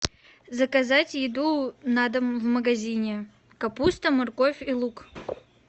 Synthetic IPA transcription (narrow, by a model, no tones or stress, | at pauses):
zɐkɐzatʲjɪd̪unad̪əmvməɡɐzʲinʲɪ | kɐpust̪əmɐrkofʲilˠuk